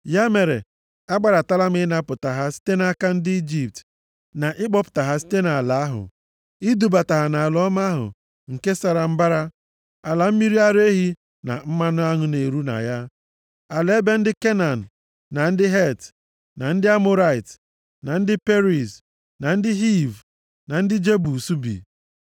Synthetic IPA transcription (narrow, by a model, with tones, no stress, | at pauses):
ja˦me˨ɾḛ˨ | a˦ɡ͡ba˨ɾa˨ta˦la˦mɪ˦na˦pʊ˨ta˨ɦa˦si̥˦te˦na˦ka˦n̩˦dɪ˦i˦d͡ʒi˨p̚t | na˨ʔɪ˦k͡pɔ˦pʊ̥˨ta˨ɦa˦si̥˦te˦na˨la˨˦a˦ɦʊ̰˨ | i˦du˨ba˨ta˨ɦa˨na˨a˨lɔ˦ma˦ɦʊ̰˨ | ŋ̩˨ke˦sa˨ɾa˨m̩˦ba˦ɾa˦ | a˨la˨m̩˦mi˦ɾi˦a˦ɾe˦ɦi˦ | na̰˨m̩˦ma˦nʊ˦a˦ŋʊ˦ne˨ɾu˦na̰˨ja˦ | a˨le˦be˦n̩˦dɪ˦ke˦na˨n̩˨ | na˨n̩˦dɪ˦ɦe˦˨t | na˨n̩˦dɪ˦a˦mo˦ɾa˦˨ɪ˨t | na˨n̩˦dɪ˦pe˦ɾi˨s | na˨n̩˦dɪ˦ɦi˦˨v | na˨n̩˦dɪ˦d͡ʒe˦bu˨su˦bḭ˨